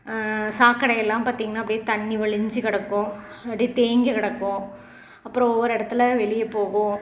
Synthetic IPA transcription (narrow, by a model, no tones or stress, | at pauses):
saːkːɐɽɐjɛlːãːmpaːɾt̪iːŋɡɐnaːpɐɽɪjeːt̪ɐɳːiʋɐɭɪɲd͡ʒɯkɐɽɐkːõ | ɐpːɽit̪eːŋɡɐkɐɽɐkːʊ̃ | ɐpːɯɾõɔʋːɐɾɪɽɐt̪ːɪlʋɛɭɪjɐpoːɣʊ̃